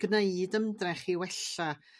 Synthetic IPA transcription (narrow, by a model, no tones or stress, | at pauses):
ɡ̥nejdəmdrɛχiwɛɬa